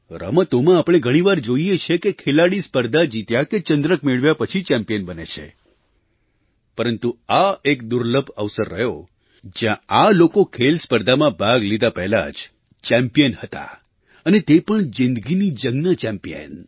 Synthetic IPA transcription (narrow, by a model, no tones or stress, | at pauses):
ɾə̰mət̪omãapɽ̃eɡʱəɽ̃iʋaɾd͡ʒoijet͡ʃʰekekʰelaɽispəɾd̪ʱad͡ʒit̪jaket͡ʃənd̪ɾəkmeɭʋjapət͡ʃʰit͡ʃɛ̃mpijənbənḛt͡ʃʰḛ | pəɾənt̪uaekd̪ʊɾləbʱəʋsəɾːəɦjo | d͡ʒjãalokokʰelspəɾd̪ʱamãbʱaɡlid̪apɛɦla̰d͡ʒ | t͡ʃɛ̃mpijənhət̪a̰ | ənet̪epəɳzɪ̃nd̪ɡinid͡ʒəɡnat͡ʃɛ̃mpijə̰n